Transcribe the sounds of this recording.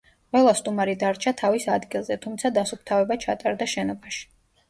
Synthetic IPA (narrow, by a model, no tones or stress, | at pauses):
qʼwɛlˠast̪ʼumaɾid̪aɾt͡ʃʰat̪ʰavisad̪ɡilˠzɛt̪ʰumt̪sʰad̪asup̚ʰt̪ʰavɛbat͡ʃʰat̪ʼaɾd̪aʃɛnɔbaʃi̥